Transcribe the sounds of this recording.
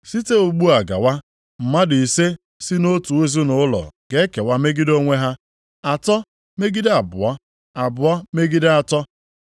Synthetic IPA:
si˦te˦u˨ɡ͡bu˦a˨ɡa̰˨wa˦ | m̩˨ma˦dɪ˨i˨se˦ | si˦no˦tu˨e˦zi˦nʊ˨˦ʊ˦lɔ̰˨ɡe˦ke˨wa˦me˦ɡi˦do˦ŋʷe˦ɦa˦ | a˨tɔ˦ | me˦ɡi˦de˦a˨bʊ̰˨wa˦ | a˨bʊ˨a˦me˦ɡi˦dɪ˦a˦tɔ˦

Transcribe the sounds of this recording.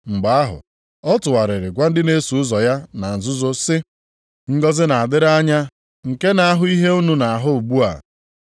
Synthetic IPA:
ŋ͡m̩˨ɡ͡ba˨a˦ɦʊ̰˨ | ɔ˦tʊ˨wa˨ɾɪ˨ɾɪ˨ɡʷa˦n̩˦dɪ˦ne˦su˨ʊ˦zɔ˨ja˦na˨n̩˨zʊ˦zo˦sɪ˦ | ŋ̩˦ɡɔ˦zɪ˦na˨a˨dɪ˦ɾa˦ɲa˦ | ŋ̩˨ke˦na˨a˦ɦʊ˦i˦ɦe˦u˦nu˦na˨a˨ɦʊ˦˨ɡ͡bu˦a̰˨

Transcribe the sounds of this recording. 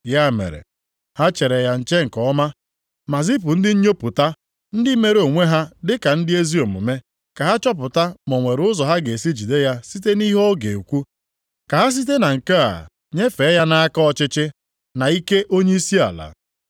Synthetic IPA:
ja˦˨mḛ˨ɾḛ˨ | ha˦t͡ʃe˨ɾe˨ja˨n̩˨t͡ʃe˦ŋ̩˨kɔ˨˦ma˦ | ma˨zi˦p̬ʊ˨n̩˦dɪ˦ɲ̩˦ɲo˦pʊ˨ta˦ | n̩˦dɪ˦me˦ɾo˨ŋʷe˦ɦa˦dɪ˦ka˨n̩˦dɪ˦e˦zi˦o˨mʊ̰˨me˦ | ka˨ɦa˦t͡ʃɔ˦p̬ʊ˨ta˦mɔ˨ŋʷe˨ɾʊ˦zɔ˨ɦa˦ɡe˨si˦d͡ʒi˨de˦ja˦si˦te˦ni˦ɦɔ˦ɡe˨kʷu˦ | ka˨ɦa˦s̬i˦t̬e˦na˨ŋ̩˨ka˦a̰˨ | ɲe˦fe˨˦ja˦na˦a˦kɔ˦ɔ˦t͡ʃɪ˦t͡ʃɪ˦ | na˨i˦ke˦ʔo˦ɲe˦i˦si˦a̰˨la̰˨

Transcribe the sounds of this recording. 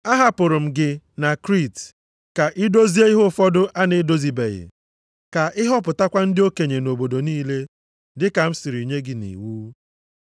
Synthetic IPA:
a˦ɦa˨pʊ˨ɾʊ˨m̩˨ɡɪ˨ | na˨kɾi˦˨t | ka˨ʔi˦do˦zi˦e˦ɪ˦ɦʊ˦fɔ˦dʊ˦ʔa˦nɪ˦do˦zi˨bḛ˨ɣɪ̰˨ | ka˨ʔɪ˦ɦɔ˦p̬ʊ˨ta˦kʷa˦n̩˦dɪ˦o˦ke˨ɲe˨no˨bo˨do˨niː˦le˦ | dɪ˦ka˨m̩˦sɪ˨ɾi˨ɲe˦ɡɪ˨nḭ˨wu˦

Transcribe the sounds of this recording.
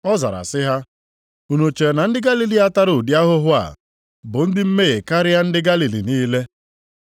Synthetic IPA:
ɔ˦za̰˨ɾa̰˨sɪ˦ɦa˦ | u˨no˨t͡ʃe˨na˨n̩˦dɪ˦ɡa˦li˨li˦a˦ta˦ɾʊ˨di˦a˦ɦʊ˦ɦʊ˦a̰˨ | bʊ˨n̩˦dɪ˦m̩˦me˦ɣe˨ka˦ɾɪ˦a˦n̩˦dɪ˦ɡa˦li˨lḭ˨niː˦le˦

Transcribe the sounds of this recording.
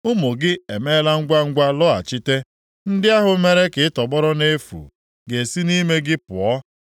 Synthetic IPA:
ʊ˦mo˨ɡɪ˦e˨me˦la˦ŋ̩˦ɡʷa˦ŋ̩˦ɡʷa˦lɔ˦a̰˨t͡ʃɪ˦te˦ | n̩˦dɪ˦a˦ɦʊ˦me˦ɾe˦kɪ˨ɪ˦tɔ˨ɡ͡bɔ˦ɾɔ˦ne˦fṵ˨ | ɡe˨si˦ni˦me˦ɡɪ˦pʊ˨ɔ˦

